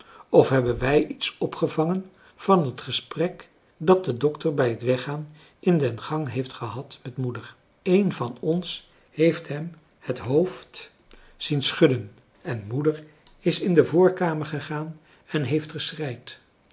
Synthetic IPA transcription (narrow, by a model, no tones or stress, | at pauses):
ɔfɦɛbənʋɛjʔitsɔpχəvɑŋən | v̥ɑnɦətχəsprɛk | dɑt̚dədɔktəɹbɛjɦətʋɛχaːn | ʔɪndɛnχɑŋɦejftχəɦɑtmɛtmudəɹ | ejnvɑnɔns | hejftɦɛm | hətɦowft | z̥insχɵdən | ɛnmudəɹ | ɪsɪndəvʊːɹkaːməɹχəχaːn | ɛnɦejftχəsrɛjt